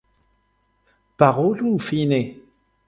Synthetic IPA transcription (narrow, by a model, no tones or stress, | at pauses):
paʁolũfine